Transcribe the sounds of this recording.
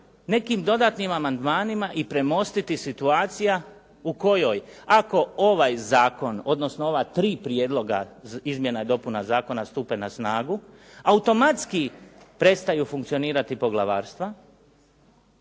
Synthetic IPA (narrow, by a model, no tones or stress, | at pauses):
ne̞kimd̪o̞d̪aːt̪nimamand̪maːnimaʔipɾe̞mo̞st̪it̪isit̪uaːt̪sija | uko̞jo̞jako̞oʋajzaːko̞no̞d̪no̞snoo̞ʋat̪ɾiːpɾjed̪lo̞ɡa̰izmje̞naed̪o̞punazaːko̞nast̪uːpe̞nasnaːɡu | aut̪o̞mat̪skipɾe̞t̪st̪ajufuŋkt̪sio̞niːɾat̪ipo̞ɡlˠaʋa̰ːɾst̪ʋa